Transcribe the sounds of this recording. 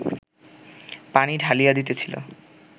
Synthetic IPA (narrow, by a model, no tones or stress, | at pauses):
paniɖʱalijad̪it̪et͡ɕʰilo̰